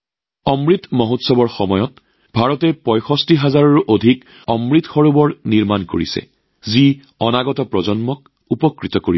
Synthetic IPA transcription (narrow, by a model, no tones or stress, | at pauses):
ɔmɹitmoɦotsɔbɔɹxɔmɔjɔt | b̥ʱaɹɔtɛpɔjxɔstiɦazaɹɔɹuʔodʱik | ɔmɹitxɔɹubɔɹniɹmanko̰ɹisɛ̰ | zi | ɔnaɡɔtɔpɹɔzɔnmɔk̚ | upɔkɹitɔkoɹi